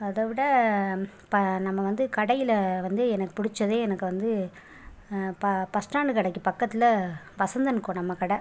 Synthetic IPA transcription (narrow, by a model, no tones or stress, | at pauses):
ɐðɐʋɪɽɐ | pɐnɐmːɐʋɐnd̪ɯkɐɽɐjɪlɐʋɐnd̪ɯɛnɐkːɯ̥pʊɽɪt͡ʃːɐðeːɛnɐkːɯʋɐnd̪ɯ | pɐpɐsʈaːɳɖɯkɐɽɐkːɯpɐkːɐt̪ːɪlɐ | ʋɐsɐnd̪ɐnɯkːõːnɐmːɐkɐɽɐ